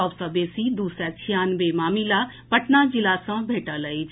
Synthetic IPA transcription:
ɔːbsãbeːsid̪uːsɾɛt͡ʃʰijaːnbeːmaːmilaː | pəʈnad͡ʒɪlasə̃bʱeːʈaləi

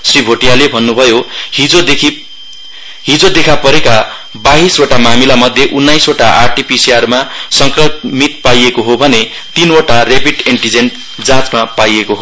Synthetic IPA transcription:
sribʱoʈijalebʱʌnːubʱʌjoio | ɦid͡zod̪ekʰapʌɾeka | baɦisoʈamamilamʌd̪ʱjeʔunːajsoʈaʔarʈipisiarmasʌŋkrʌmit̪̚pajekoɦobʱʌne | t̪inoʈarepiʈiɳʈid͡zenʈ | d͡zãt͡smapajekoɦo

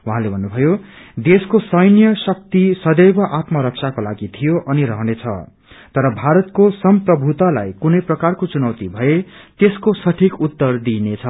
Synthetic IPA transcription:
wuɦãlebʱʌnːubʱʌjod̪eskosʌjnjʌsʌk̚t̪isʌd̪ʌjbʌʔat̪mʌɾʌksʰakola̰ɡit̪ʰijoʔʌniɾʌɦʌnet͡sʰʌ̰ | t̪ʌɾʌbʱaɾʌt̪kosʌmprʌbʱut̪ala̰jkunʌjprʌkarkot͡sunʌwt̪ibʱʌet̪eskosʌʈʰikut̪ːʌrd̪inet͡sʰʌ

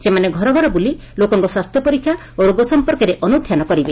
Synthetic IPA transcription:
semaneɡʱɔɾɔɡʱɔɾɔbuli | lokɔŋkɔswast̪ʰjɔpɔɾikʰːja | oɾoɡɔsɔmpɔɾkɔɾeʔɔnud̪ʱjanɔkɔɾibe

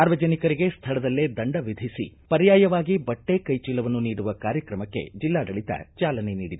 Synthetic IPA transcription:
aːɾʋɐd͡ʒɐnikɐɾiɡe̞st̪ʰɐɭɐd̪ɐlːed̪ɐɳɖɐʋid̪ʱisḭpɐɾjaːjɐʋaːɡibɐʈːekɐjt͡ʃiːlɐʋɐnːuniːɽuʋɐkaːɾjɐkɾɐmɐkːe̞̰d͡ʒilːaːd̪ɐɭit̪ɐ̰t͡ʃaːlɐnenḭːɽid̪u

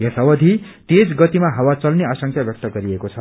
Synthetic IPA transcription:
jesʌwʌd̪ʱi | t̪ed͡zɡʌt̪imaɦʌwat͡sʌlneasʌŋk̪ʰjabjʌk̚t̪ʌɡʌɾiekot͡sʰʌ

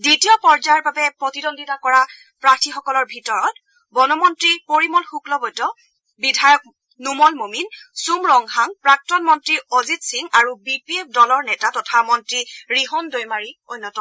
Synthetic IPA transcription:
ditijɔpɔɹzaɹbabɛpɹotidɔnditakɔɹa | pɹatʰixɔkɔlɔɹbʱitɔɹɔt | bɔnɔmɔntɹipoɹimɔlxuklɔbɔjtɔ | bidʱajɔk̚ | numɔlmominsumɹɔŋhaŋpɹak̚tɔnmɔntɹiozitsiŋaɹubipiep̚ʰdɔlɔɹnɛtatɔtʰamɔntɹiɹiɦɔndojmaɹiojnːɔtɔ

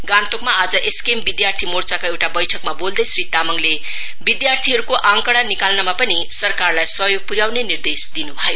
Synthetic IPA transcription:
ɡant̪okmaad͡zʌʔeskembid̪jart̪ʰimort͡sakoewʈabʌjʈʰʌkmabold̪ʌjsɾit̪amʌŋle | bid̪jart̪ʰiɦʌɾukoʔãŋkʌɽanikalnamapʌnisʌrkarlajsʌɦjoɡ̚puɾjawnenird̪esd̪inubʱʌjo

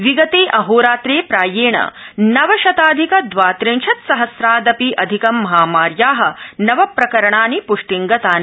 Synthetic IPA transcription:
ʋiɡɐt̪eːʔɐɦoːɾaːt̪ɾeːpɾaːjeːɳɐ̰nɐʋɐʃɐt̪aːd̪ʱikɐd̪ʋaːt̪ɾiŋʃʰɐt̪sɐɦɐsɾaːd̪ɐpiʔɐd̪ʱikɐmːɐɦaːmaːɾjaːɦɐ̆nɐʋɐpɾɐkɐɾɐɳaːnipuʂʈiŋɡɐt̪aːni

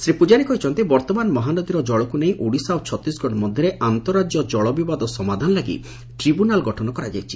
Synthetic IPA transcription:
sɾipud͡ʒaɽikɔit͡ʃʰɔnt̪ibɔɾt̪ɔmanɔmɔɦanɔd̪iɾɔd͡ʒɔɭɔkuneĩʔoɽisawt͡ʃʰɔt̪ɾisɡʱɔɽɔmɔd̪ʱjɔɾeʔant̪ɔɾad͡ʒjɔd͡ʒɔɭɔbibad̪ɔsɔmad̪ʱanɔlaɡḭ | ʈɾibunalɡɔʈʰɔnɔkɔɾad͡ʒajt͡ʃʰi̥

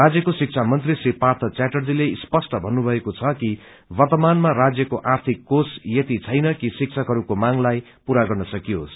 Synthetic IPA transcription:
rad͡zjʌkosik̚t͡sʰamʌnt̪risipart̪ʰʌt͡saʈʌrd͡zilespʌsʈʌbʱʌnːubʱʌekot͡sʰʌki | bʌrt̪ʌmanmarad͡zjʌkoʔart̪ʰikːosjet̪it͡sʰʌjnʌkisik̚t͡sʰʌkɦʌɾukomaŋlaj | puɾaɡʌrnʌsʌkijɦo̰s

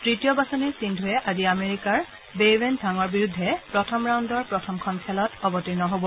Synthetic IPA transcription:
tɹitijɔbasɔniɹsindʱuɛʔaziameɹikaɹ | bebɛndʱaŋɔɹbiɹudʱːɛpɹɔtʰɔmɹawndɔɹpɹɔtʰɔmkʰɔnkʰɛlɔtɔbɔtinɔɦobɔ

